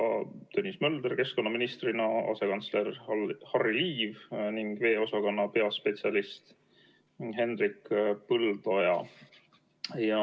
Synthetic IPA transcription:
t̪ønʲːismɤld̪eɾke̞sko̞nːɑminist̪rinɑɑ̰se̞kɑnt̪sle̞rhɑriliːvniŋɡ̥ve̞ːo̞sɑkɑnːɑpe̞ɑspe̞t̪sʲiɑlist̪ | ɦe̞nrikːpɯld̪̥o̞jɑ | jɑ

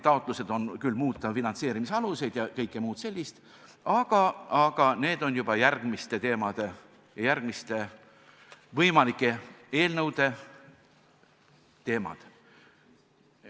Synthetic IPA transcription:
t̪ɑot̪ˑluse̞d̪̥o̞nkylːmuːt̪ːˑɑfinɑnt̪se̞ːɾimiseɑluse̞jd̪̥jɑkɤjkːˑemuːt̪se̞lʲːist̪ | ʔɑɡ̥ɑɑɡ̥ɑne̞ːd̪̥o̞njub̥ɑjærɡ̥mist̪e̞t̪e̞ːmɑd̪̥e̞ | jɑjærɡ̥mist̪e̞ | vɤjmɑlikːˑe̞e̞ːlnɤwd̪̥e̞ | t̪e̞ːmɑ̰d̪̥

